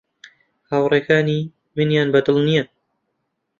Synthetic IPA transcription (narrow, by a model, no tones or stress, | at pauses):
haːwreːkaːni | mɨnjaːnbɐd̪ɨlnijan